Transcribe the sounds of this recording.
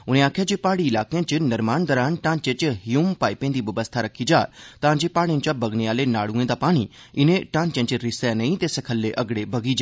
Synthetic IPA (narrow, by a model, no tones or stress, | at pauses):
ʊnẽaːkʰjad͡ʒeːpaːɽiɪlaːkejãt͡ʃɪnɐɾmaːnd̪ɔɾaːnʈãːnt͡ʃẽt͡ʃɦɪjuːmpaːipẽːnd̪iʋɐʋəst̪ʰaɾɐkʰːid͡ʒaːt̪ãːd͡ʒeːpaːɽjə̃nt͡ʃabɐɡneaːlenaːɽũẽːd̪apaːɽ̃i | ɪnẽʈãːnt͡ʃẽːt͡ʃɪɾɪsanɐĩt̪esɐkʰəlːeʔɐɡɽebɐɡid͡ʒaː